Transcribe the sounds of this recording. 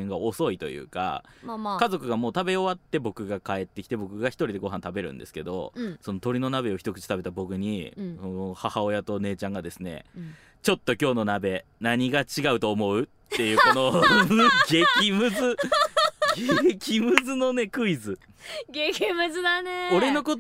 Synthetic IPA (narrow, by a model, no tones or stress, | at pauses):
ŋɡao̞so̞it̪o̞̰jɯ̟̰ːka̰mamakazo̞kɯ̟ɡamo̞ːt̪abe̞o̞βat̪ːe̞bo̞kɯ̟ɡakae̞t̪ːe̞kʲi̥t̪e̞bo̞kɯ̟ɡaçi̥t̪o̞ɾʲid̪e̞ɡo̞ɦãnt̪abe̞ɾɯ̰̃nd̪e̞sɨ̥ke̞d̪o̞̰so̞not̪o̞ɾʲino̞nabe̞o̞çi̥t̪o̞kɯ̟t͡ɕi̥t̪abe̞t̪abo̞kɯ̟ɲ̟isonohahao̞jat̪o̞ne̞ːt͡ɕãŋɡad̪e̞sɨne̞̰ | t͡ɕo̞t̪ːo̞kʲo̞ːno̞nabe̞naɲ̟iɡat͡ɕiɡaɯ̟t̪o̞ːmo̞ɯ̟t̪ːe̞jɯ̟ːkono̞ | ɡe̞kʲimɯ̟zɨ | ɡekʲimɯ̟zɨno̞ne̞kɯ̟izɨ | ɡekʲimɯzɨd̪aneo̞ɾe̞no̞ko̞